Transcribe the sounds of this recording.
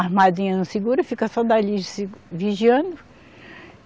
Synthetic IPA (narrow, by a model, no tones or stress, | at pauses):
aɾmad͡ʒĩɲɐnũsiɡuɾʊfikɐsɔd̪alisviʒiɐ̃nd̪ʊ